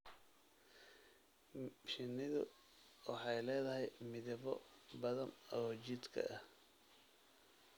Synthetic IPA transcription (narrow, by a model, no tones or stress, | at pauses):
ʃɪnːɪðʊ̰ | wɑħɑjlɛːðɐɦɛjmɪðɪβɔbɐðɐnɔːt͡ʃɪd̪kʰɐ̰ɐh